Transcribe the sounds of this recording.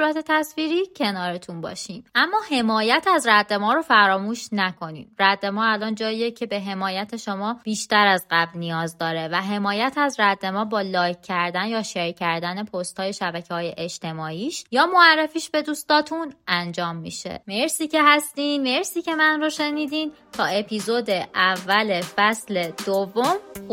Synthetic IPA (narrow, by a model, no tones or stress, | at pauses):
uɾæt̪ʰe̞t̪ʰæsviːɾiːcʰe̞nɒːɾet̪ʰunbɒ̰ːʃiːmʔæmːɒːhe̞mɒːjæt̪ʰæzræd̪ːe̞mɒːɾo̞fæɾɒːmuːʃnækʰo̞niːmɾæd̪ːe̞mɒːælɒːnd͡ʒɒːiːecʰe̞be̞ɦe̞mɒːjæt̪ʰe̞ʃomɒːb̥iːʃt̪æɾæzɢæblnijɒːzd̪ɒːɾe̞væɦe̞mɒːjæt̪ʰæzɾæd̪ːe̞mɒːbɒːlɒːjkʰːæɾd̪ænjɒːʃe̞ɾcʰæɾd̪æne̞pʰost̪hɒːje̞ʃæbæcʰehɒːjeʔed͡ʒt̪ʰe̞mɒːʔiːʃjɒːmo̞ærːefiːʃbe̞d̪uːst̪ɒːt̪ʰunænd͡ʒɒːmːḭːʃḛmeɾsiːce̞ɦæst̪iːnme̞ɾsiːcʰe̞mænɾoʃe̞niːd̪iːn | t̪ʰɒːe̞pʰizod̪e̞ʔævːælefæsled̪̥ovːom